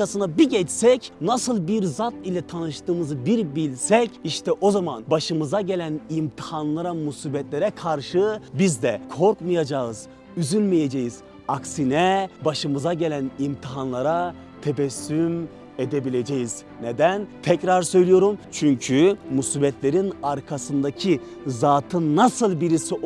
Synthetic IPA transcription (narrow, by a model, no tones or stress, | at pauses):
asɯnabiɟɛt͡ʃsɛcnasɯlˠbiɾzat̪ilʲɛt̪ʰanɯʃt̪ɯːmɯzɯbiɾbilʲsɛciʃt̪ʰɛʔo̞zamanbaʃɯmɯzaɟe̞lʲænimt̪ʰihanlˠaɾamusibɛt̪lʲeɾɛkʰaɾʃɯbizd̪ɛkʰo̞ɾkmɯjad͡ʒaɯz̥ | yzylʲmijed͡ʒejiz | aksinɛbaʃɯmɯzaɟe̞lʲænimt̪ʰiɦanlˠaɾa | t̪ʰebɛsːym | ed̪ebilʲe̞d͡ʒejiz̥ | ned̪ænt̪ʰɛcɾaɾsø̞jlʲijo̞ɾumt͡ʃʰyɲcʰymusiːbɛt̪lʲeɾinaɾkʰasɯnd̪acʰi | zaːt̪ʰɯnːasɯlˠbiɾisi